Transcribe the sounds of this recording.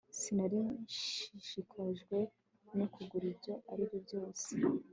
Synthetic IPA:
sinaɾiʃiʃikʰaʒɡwe̞ | nukuɡuɾibɟo̞ʔaɾiβjobɟo̞ːse

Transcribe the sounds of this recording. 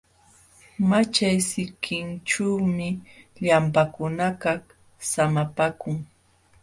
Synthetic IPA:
mat͡ʃajsɪkʰɪnt͡ʃuwmɪʎampakʊnakah | samapakʊŋ

